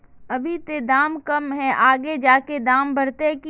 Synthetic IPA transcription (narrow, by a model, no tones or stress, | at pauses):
ɐbʱit̪ed̪aːmkɐmɦɛ̃ʔaːɡed͡ʒaːked̪aːmbɐɾt̪eki